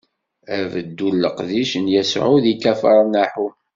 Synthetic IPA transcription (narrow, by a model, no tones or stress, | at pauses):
ævəd̪ːulːə̰qðiʃənjæsʕuðikæfəɾˤnæħu